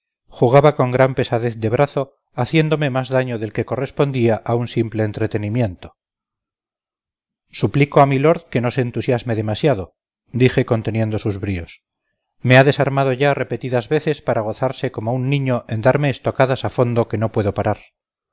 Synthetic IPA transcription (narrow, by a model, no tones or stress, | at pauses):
xuɣaβako̞ŋɡɾampe̞saðe̞θd̪e̞βɾaθo̞ | aθje̞nd̪o̞me̞mazðaɲo̞ðe̞lke̞ko̞re̞spo̞nd̪iaʔaunsimpleːnt̪ɾet̪e̞nimje̞nt̪o̞̥ | suplikoamilo̞ɾðke̞no̞seːnt̪usjazme̞ðe̞masjaðo | d̪iχe̞ko̞nt̪e̞nje̞nd̪o̞suzβɾio̞s | meaðe̞saɾmað̞o̞ʝare̞pe̞t̪iðazβe̞θe̞spaɾaɣ̞o̞θaɾse̞ko̞mounːĩɲo̞ʔe̞nd̪aɾme̞ːst̪o̞kaðasafo̞nd̪o̞ke̞no̞pwe̞ðo̞paɾaɾ